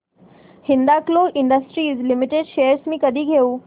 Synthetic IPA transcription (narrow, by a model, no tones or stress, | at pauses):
hind̪akloʔɪɳɖəsʈɾiːzlimiʈeɖʃejəɾsmiːkəd̪ʱiːɡʱeuː